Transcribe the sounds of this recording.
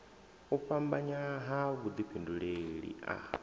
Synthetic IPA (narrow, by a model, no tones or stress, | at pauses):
uɸambaɲaɦaβud̪ipʰinduɺeɺḭa̰